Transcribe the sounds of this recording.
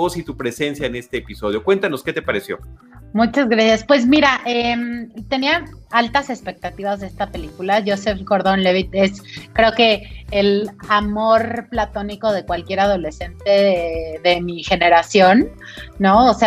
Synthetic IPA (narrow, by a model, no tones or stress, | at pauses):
osit̪upɾese̞nsjaene̞st̪e̞ːpiso̞ð̞jo̞kwe̞nt̪ano̞ske̞t̪epaɾesjo̞̰ | mut͡ʃazɣɾasjaspwe̞zmiɾaʔemt̪e̞niaalt̪ase̞spe̞k̚t̪at̪iβazðest̪ape̞likulaʝosefko̞ɾðonle̞βit̪e̞skɾe̞oke̞ːlamo̞ɾplat̪o̞niko̞ðe̞kwalkje̞ɾað̞o̞le̞se̞nt̪e̞ðe̞mixe̞ne̞ɾasjo̞nː | o̞ose